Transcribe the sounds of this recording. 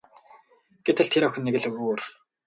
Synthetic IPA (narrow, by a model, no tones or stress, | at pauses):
ɡ̥et̪ʰɘ̆ɮt̪ʰeɾɔxʲɘ̆nːeɣɘ̆ɮɵɣuːr